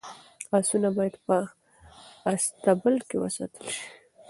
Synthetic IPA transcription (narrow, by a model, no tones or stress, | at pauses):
ɑsunabɑjad̪pə | ast̪abəlkewə̰sɑ̰t̪əlʃi̥